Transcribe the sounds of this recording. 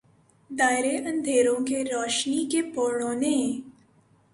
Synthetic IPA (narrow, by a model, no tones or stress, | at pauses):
d̪aːjɾeʔə̃nd̪ʱeːɾõkeɾɔːʃnikepɔːɾɳõːnẽ